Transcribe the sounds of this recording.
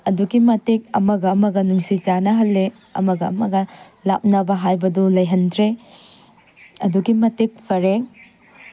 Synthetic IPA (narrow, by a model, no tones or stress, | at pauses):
ɐduɡimɐtek̚ɐ̰mɐɡɐmɐɡɐnuŋsit͡ʃanɐɦɐlːe | ɐ̰mɐɡɐɐ̰mɐɡɐ | la̰p̚nɐbɐɦajbɐdulɐjɦɐndɾe | ɐduɡimɐtek̚pʰɐɾeŋ